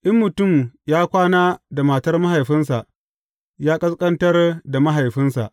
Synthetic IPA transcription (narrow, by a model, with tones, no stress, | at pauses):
ʔɪ˦mːʊ˨tʊ˦˨mjaː˦kʷaː˦naː˦da˨maː˨tɐ˦rma˦ɦa˨jɸɪ˦nsa˨ʔ | jaː˦kʼɐ˦skʼɐ˦ntɐ˦rda˨ma˦ɦa˨jɸɪ˦nsa̰˨ʔ